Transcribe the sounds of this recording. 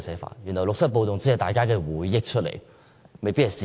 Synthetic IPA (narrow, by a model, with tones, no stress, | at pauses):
sɛː˨˥fa̰ː˨˩njy˨˩nhɐ˨˩wlʊ˨k̚sɐ˥po˧wt̪ʊ˨ŋt͡siː˧˨˥hɐ˨jt̪aː˨˩jkaː˥kɛː˧wuː˨˥jːɪ˥k̚t͡ʃʰt̚lḛ˨˩j | me˨jpiː˥thɐ˨˩siː˨